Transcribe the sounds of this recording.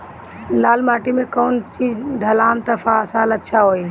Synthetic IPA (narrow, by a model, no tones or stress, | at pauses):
laːlmaːʈimẽkoːnt͡ʃiːzd̪ʱəlaːmt̪əfasaːlətːʃʰaɦoːiː